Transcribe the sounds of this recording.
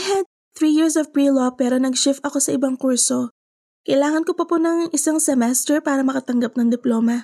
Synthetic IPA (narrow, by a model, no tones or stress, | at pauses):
hɛd̪̚ | θɹiːjɪɹsɔfpɹiːlopɛːɾo̞nɐɡʃɪft̪ɐko̞sɐʔɪbaŋkuɹso̞ | kɐʔɪlaːŋɐnkopɐpʊnɐŋʔɪsaŋsɛmɛst̪ɛɹpaːɾɐmɐkɐt̪ɐŋɡɐp̚nɐŋd̪ɪploːmɐ